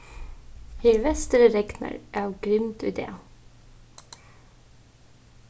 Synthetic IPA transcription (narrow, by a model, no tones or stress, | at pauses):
heːʋɛst̪əɾəɾɛɡnə̰ɹʔæːɡ̥ɾɪmt̪ʉ̰ːd̪ḛː